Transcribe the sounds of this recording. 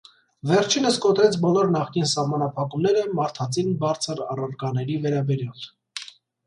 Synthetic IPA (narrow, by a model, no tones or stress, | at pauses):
vɛɾt͡ʃʰinəskɔt̪ɾɛt͡sʰbɔlɔɾnɑχkinsɑhmɑnɑpʰɑkumnɛɾəmɑɾt̪ʰɑt͡sʰinbɑɾt͡sʰəɾɑrɑɾɡɑnɛɾivɛɾɑbɛɾjɑl